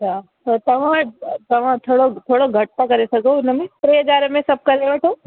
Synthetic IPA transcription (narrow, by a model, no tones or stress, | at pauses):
t͡ʃʰaː | t̪ot̪ɐʋ̤ãt̪ɐʋ̤ãt̪ʰoːɽot̪ʰoːɽoɡʱɐʈ̚pakɐɾesɐkoːɪnmẽtɾeɦɐd͡ʒaːɾmẽsɐb̚kɐɾeʋəʈʰoː